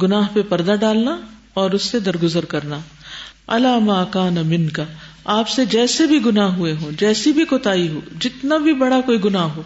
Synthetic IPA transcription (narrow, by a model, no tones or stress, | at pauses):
ɡʊnaːɦpepɐɾd̪aɖaːlna | ɔːɾʊsːed̪ɐɾɡʊzəɾkɐɾnaː | ɐlaːmaːkaːnɐmɪ̃nkɐ | aːpsed͡ʒɛːsebʱiɡʊnaːɦɦueɦõːd͡ʒɛːsibʱikoːt̪aːiɦo̰ːd͡ʒɪt̪nabʱibɐɽakoːiɡʊnaːɦɦoː